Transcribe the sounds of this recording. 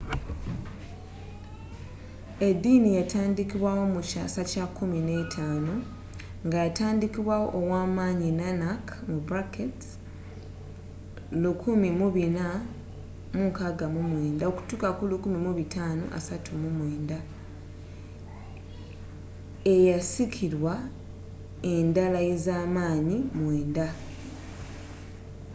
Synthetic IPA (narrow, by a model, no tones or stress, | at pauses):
e̞dːinijataːndikiβwawo̞muca̰sacakːumine̞ːtʰaːno | ŋɡajataːndikiβwawo̞̰ʔːwaːmaːɲinanakmubɾaket | lukʰumimuβina | muŋkaɡamumwe̞ːndao̞ku̥tuːkakulukumimuβitaːno̰ʔa̰satʰumumwe̞ːnda | e̞jasikʰiɾwa | e̞ndalaje̞zaːmaːɲimweːnda